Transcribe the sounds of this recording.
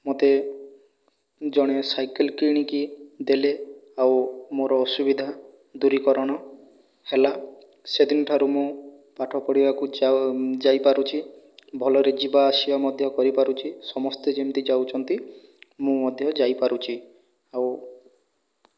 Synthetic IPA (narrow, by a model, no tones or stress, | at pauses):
mot̪e | d͡ʒɔɽ̃esajkelkiɽ̃ikid̪eleawmoɾɔːsubid̪ʱa | d̪uɾikɔɾɔɽ̃ɔ | hela | sed̪inɔʈʰaɾumũ | paʈʰɔkɔɽibaku | d͡ʒajpaɾut͡ʃʰi | bʱɔlɔɾed͡ʒibaːsibamɔd̪ʱjɔkɔɾipaɾut͡ʃʰisɔmɔst̪ed͡ʒemt̪id͡ʒawt͡ʃʰɔnt̪i | mũmɔd̪ʱjɔd͡ʒajpaɾut͡ʃʰi | aw